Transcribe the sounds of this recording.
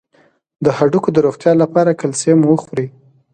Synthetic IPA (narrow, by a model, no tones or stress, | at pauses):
d̪əhaɖukod̪əɾoxt̪jɑlapɑɾakalsemuwəxwɾi